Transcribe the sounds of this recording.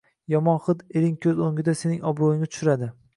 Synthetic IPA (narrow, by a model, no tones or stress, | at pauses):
jɒmɒnχɨd̪eɾɪŋkʲʰɵzoŋɡʲɪd̪ase̞nɪŋʔɒbɾojɪŋnat̪ʊ̥ʃʊɾad̪ɪ